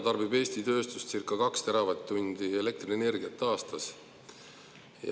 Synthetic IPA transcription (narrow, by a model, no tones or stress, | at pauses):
t̪ɑrbibe̞ːst̪it̪ø̞ːst̪ust̪sirkːˑɑkɑkst̪eɾɑvɑt̪ːunʲd̪̥ie̞le̞k̚t̪rinene̞rɡiɑt̪ːˑɑːst̪ɑs | j